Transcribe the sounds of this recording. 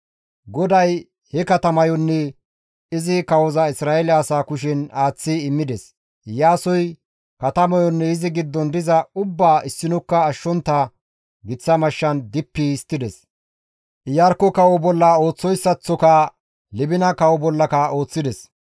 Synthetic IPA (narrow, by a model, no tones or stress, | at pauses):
ɡɔd̪ɐj | hɛkɐt̪ɐmɐjɔnːɛ | ɪzɪkɐwɔzɐɪsɾaːɛlɪɐsaːkʊʃɪnaːt͡sːɪɪmːɪd̪ɛs | jaːsɔj | kɐt̪ɐmɐjɔnːɛɪzɪɡɪd̪ːɔnd̪ɪzɐʊbːaːʔɪsːɪnɔkːɐːʃːɔnt̪ːɐ | ɡɪt͡sːɐmɐʃːɐnd̪ɪpːiɪst̪ːɪd̪ɛs | ʔɪjɐɾkːɔkɐwɔbɔlːɐo̞ːt͡sːɔjsːɐt͡sːɔkɐ | lɪbɪnɐkɐwɔbɔlːɐkɐo̞ːt͡sːɪd̪ɛs